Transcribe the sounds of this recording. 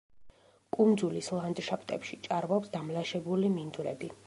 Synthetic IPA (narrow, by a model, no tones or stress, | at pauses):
kʼund̪zulislˠand̪ʃapʰt̪ʼɛ̰pʃit͡ʃʼaɾvɔpsd̪amlaʃɛbulimind̪ʼɾɛ̰b̪i